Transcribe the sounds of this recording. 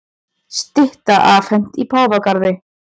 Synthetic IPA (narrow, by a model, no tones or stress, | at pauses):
st̪ɪht̪aʔaːfhɛm̥t̪ipʰaːwvakaɾðɪ